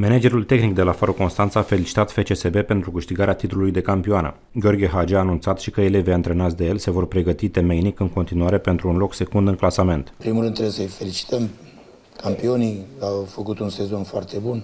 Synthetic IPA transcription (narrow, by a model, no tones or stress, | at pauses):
me̞ned͡ʒe̞ɾult̪e̞xnik̚d̪e̞lafaɾoko̞nst̪ant̪saafe̞lit͡ʃi̥t̪at̪fe̞t͡ʃe̞sebe̞pe̞nt̪ɾukɨʃt̪iɡaɾeat̪it̪ululujd̪e̞kampioanə̰ | ɡʲeo̞rɡʲeɦad͡ʒeaːnunt̪sat̪ʃikəele̞vejaɨnt̪ɾe̞nat̪sd̪e̞je̞lse̞vo̞rpɾe̞ɡət̪it̪e̞me̞jnikɨŋko̞nt̪inuaɾe̞pe̞nt̪ɾuːnlo̞kse̞kund̪ɨŋklasame̞nt̪pɾimulɾɨnt̪ːɾebjesəjfe̞lit͡ʃi̥t̪əm | kʰampio̞nijawfəkut̪unse̞zo̞nfoart̪e̞bun